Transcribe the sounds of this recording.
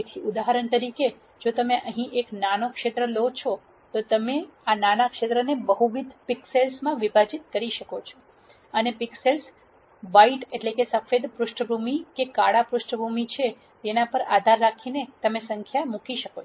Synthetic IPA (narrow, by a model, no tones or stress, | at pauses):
et̪ʰiud̪aɦəɾəɳt̪əɾike | d͡ʒot̪əmeʔəɦĩʔeknanokʃet̪ɾəlot͡ʃʰo | t̪ot̪əmeananakʃet̪ɾənebəɦuʋid̪ʱpikselsmãʋibʱad͡ʒit̪kəɾiʃəkot͡ʃʰo | ənepiksels | ʋaiʈeʈlekesəfed̪pɾʊʃʈəbʱumikekaɽapɾʊʃʈəbʱumit͡ʃʰe | t̪enapəɾa̰d̪ʱaɾːakʰinet̪əmesəŋkʰjamukiʃəko